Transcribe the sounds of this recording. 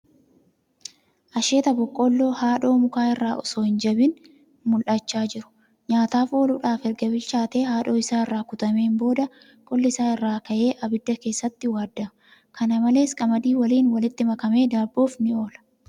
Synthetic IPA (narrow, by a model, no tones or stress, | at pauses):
ʔɐʃe̞ːt̪ɐbɔkʼːɔlːo̞ːhaːᶑo̞ːmʊkaːɪrːaːʔɔsoːhɪnd͡ʒɐbɪn | mʊlʔɐt͡ʃːaːd͡ʒɪɾʊ̥ | ɲaːt̪aːfo̞ːlʊᶑaːfɛɾɡɐbɪlt͡ʃːaːt̪e̞ːhaːᶑo̞ːɪsaːɪrːaːkʊt̪ɐme̞ːmbo̞ːd̪ɐ | kʼɔlːɪsaːɪrːaːkɐʔe̞ːʔɐbɪd̪ːɐke̞ːsːɐt̪ːɪwaːd̪ːɐ | kʰɐnɐmɐle̞ːskʼɐmɐd̪iːwɐliːnwɐlɪt̪ːɪmɐkɐme̞ːd̪aːboːfnɪo̞ːlɐ̥